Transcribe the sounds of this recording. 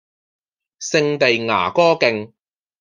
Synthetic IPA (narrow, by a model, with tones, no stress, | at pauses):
sɪ˧ŋt̪e˨jŋa̰ː˨˩kɔː˥kɪ˧ŋ